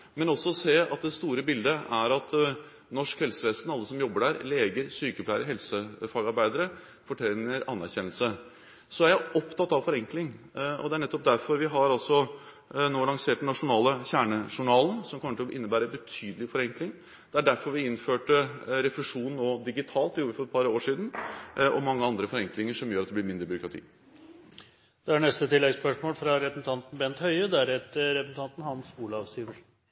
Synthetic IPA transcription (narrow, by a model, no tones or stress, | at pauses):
mɛnɔsːɔseːɑ̰t̪̚d̪ɛst̪uːɾəbɪld̪əʔæɾɑt̪ | nɔʂkhɛlsəʋeːsn̩ɑlːəsɔmjɔbːəɖæɾleːɡəɾsyːkəplæɪəɾəɦɛlsəfɑːɡɑɾbæɪd̪əɾə | fɔʈʰɛnːəɾɑnːæɾçɛnəl̩sə | sɔæɾjæɪʔɔpt̪ʰɑt̪ːɑʋfɔɾɛŋklɪŋ | ʔɔ̰d̪ɛæɳɛt̪ːɔp̚d̪æɾfɔɾʋɪɦɑɾɑlsɔ | noːlɑŋseːʈ̚d̪ɛnɑʂʊnɑːləçæːɳəʂʊɳɑːlənsɔmkʰɔmːət̪ɔʔɪnːəbæːɾəbət̪ʰyːd̪əlɪfɔɾɛŋklɪŋ | d̪̥ɛæɖæɾfɔɾʋɪɪnføːʈəɾɛflɛʂuːnnoːd̪ɪɡɪt̪ʰɑːlt̪ːɛjuːɾəfɔɾɛt̪pɑɾoːʂiːd̪n̩ʔɔmɑŋːəɑnd̪ɾəfɔɾɛŋklɪŋəʂɔmjøːɾɑt̪d̪ɛblɪɾmɪnd̪ɾəbʏɾʊkɾɑt̪ḭː | d̪̥ɛæɳnɛst̪ət̪ɪlːɛɡspœʂmoːlfɾɑɾɛəsn̩t̪ʰɑnt̪n̩bɛnt̪hœʏəd̪ɛæɾɛt̪əɾɛpəsn̩t̪ɑnt̪n̩hɑnsuːlɑʋst̪iːʋəʂn̩